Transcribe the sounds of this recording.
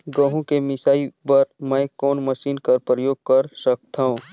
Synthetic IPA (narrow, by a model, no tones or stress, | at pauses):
ɡə̃ɦũkemɪsaːibɐɾmɛ̃kɔːnmɐʃiːnkɐɾpɾəjoːɡ̚kɐɾʃək̚t̪ʰaːɦũː